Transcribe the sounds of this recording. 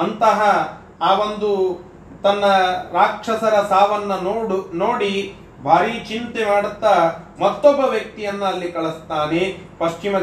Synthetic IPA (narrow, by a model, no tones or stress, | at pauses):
ɐnt̪ɐɦɐ | aːʋond̪u | t̪ɐnːɐɾaːkʂɐsɐɾɐsaːʋɐnːɐnoːɽi | bʱaːɾit͡ʃint̪emaːɽut̪ːɐmɐt̪ːɔbːɐʋjɐk̚t̪ijɐnːuɐlːikɐɭust̪aːnepɐʃt͡ʃimɐ